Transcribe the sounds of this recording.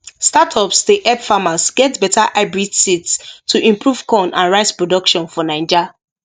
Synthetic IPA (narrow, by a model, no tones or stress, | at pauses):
statʰɔpsteʔɛbfamasɡ̥ɛtbɛtʰaʔaɪbɹidsitstʰuʔĩmpɹuv̥kɔ̃nãnɹaɪspɹɔdɔkʃɔ̃nfɔnãɪ̃nd͡ʒa